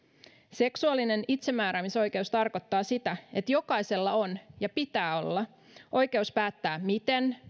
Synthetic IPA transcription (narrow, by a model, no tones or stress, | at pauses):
se̞ksuɑlːine̞nit̪se̞mːæːɾæːmiso̞jk̟e̞ust̪ɑrko̞t̪ːɑːsit̪æe̞t̪jo̞kɑjse̞lːɑo̞njɑpit̪æːo̞̰lːɑ | ʔo̞jke̞uspæːt̪ːæːmit̪e̞n